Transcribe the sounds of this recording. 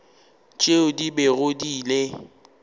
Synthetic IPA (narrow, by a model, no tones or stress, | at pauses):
t͡ʃʼeʊdibeɣʊdiːle